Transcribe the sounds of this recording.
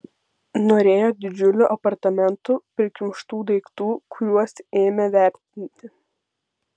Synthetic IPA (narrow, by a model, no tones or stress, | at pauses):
noːɾʲeːjoːd̪ʲɪd͡ʒʲʊlʲʊʔɐpɐɾt̪ɐmʲɛnt̪upʲɾʲɪkʲɪmʃt̪uːd̪ɐɪkt̪uːkʰʊɾʲuɔseːmʲɛʋʲæˑɾʲt̪ʲɪnʲt̪ʲɪ